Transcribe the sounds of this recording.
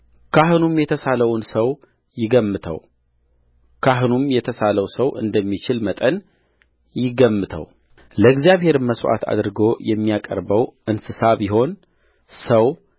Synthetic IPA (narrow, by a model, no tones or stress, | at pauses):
kʰaɦɨnumjɛt̪ʰəsaləwnsəw | jɪɡəmːɨt̪ʰə̰w | kʰaɦɨnumjɛt̪ʰəsaləwsəwʔɨ̰nd̪əmːit͡ʃɪlmət̪ʼən | jɪɡəmːɨt̪ʰə̰w | ləɡzijaβhe̞ɾməswa̰t̪ʰa̰d̪ɨɾɨɡo̞jɛmːijakʼə̰ɾbəwʔɨnsɨsaβjɪɦo̞n | səw